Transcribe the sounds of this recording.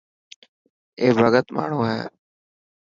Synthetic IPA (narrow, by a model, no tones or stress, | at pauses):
eːbʱəɡət̪ma̰ːɳ̤ũːɦɛː